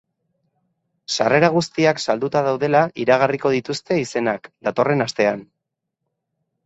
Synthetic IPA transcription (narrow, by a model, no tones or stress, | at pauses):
sare̞ɾaɣ̞ust̪iaksald̪ut̪aðawðe̞laʔiɾaɣ̞ariko̞ðit̪ust̪e̞ise̞nakd̪at̪o̞re̞nast̪e̞an